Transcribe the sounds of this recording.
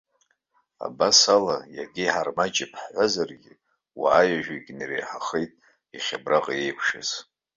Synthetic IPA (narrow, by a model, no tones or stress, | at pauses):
a̰basalajaɡʲiħarmat͡ʃʼɪpʰħħʷazarɡʲɪ | wa̰ːjaʒᶣiɡʲnirḛjħaχejtʼ | iχʲabraqʼjejkʷʰʂaz̥